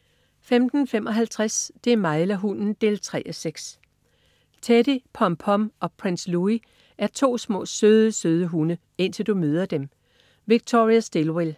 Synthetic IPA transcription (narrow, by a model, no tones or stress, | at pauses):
femd̥n̩femʔɒ̽ɦælt͡sʰʁasd̥e̝æɐmɑ̈ɪlæɦunn̩d̥e̝̰ːlt͡sʰʁɛ̰ʔɒseɡ̥s | t͡sʰeɾ̥ipʰɒ̽mpʰɒ̽mʔɒ̽pʰʁinslui | ʔæɐt͡sʰo̝̰ːsmɔ̰ːsøðˠəsøð̞ˠəɦunə | e̝n̰t͡sʰe̝ld̥umøð̞ˠɐd̥em | ʋiɡ̥̚t͡sʰo̝ʁiæsd̥e̝lwel